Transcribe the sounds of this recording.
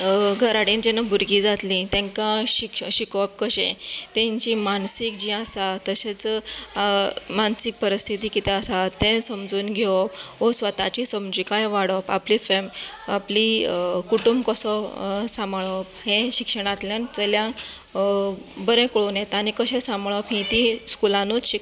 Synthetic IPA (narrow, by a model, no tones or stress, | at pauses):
ɡʱəɾaɽind͡ʑenabʱuɾɡiːd͡zat̪lĩt̪ɛ̃kãɕikɕikɔp̚kəɕḛ̃t̪ɛ̃ɲt͡ɕimansik̚d͡ʑĩasat̪əɕet͡s | mansik̚pəɾist̪ʰit̪ikit̪ɛasat̪ɛ̃səmd͡zuːnɡʱɔpɦosʋət̪at͡ɕisəmd͡ʑikajʋaɽɔpa̰plifemaplikuʈumbkəsɔsãmɭɔpɦẽɕikʂəɽ̃at̪ljant͡səljãk | bəɾɛ̃kɭonet̪anikəɕɛ̃sãmɭɔpɦĩt̪iskulãnut͡sɕik